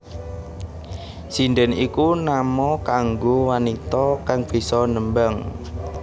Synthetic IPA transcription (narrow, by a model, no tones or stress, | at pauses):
sinɖɛnikunamɔkaŋɡowanit̪ɔkaŋb̥i̤sɔnəmbaŋ